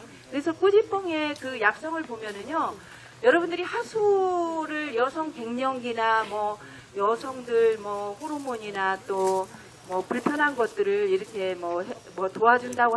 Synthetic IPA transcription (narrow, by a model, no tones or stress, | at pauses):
kɯɾe̞sʰʌk͈ud͡ʑip͈ʌŋe̞kɯjak̚s͈ʌŋɯɭpomjʌnɯɲo | jʌɾʌbundɯɾihasʰuɾɯɭjʌsʰʌŋke̞ŋɲʌŋɡinamwʌ | jʌsʰʌŋdɯɭmwʌɸoɾomoɲinat͈o | mʌpuɭpʰjʌnɦanɡʌt̚t͈ɯɾɯɭiɾʌkʰe̞mʌɦ | mʌtoɦad͡ʑundaɡo